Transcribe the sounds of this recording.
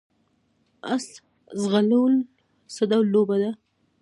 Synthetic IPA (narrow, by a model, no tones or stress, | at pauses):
asl | zɣalawəl | səd̪awlobad̪a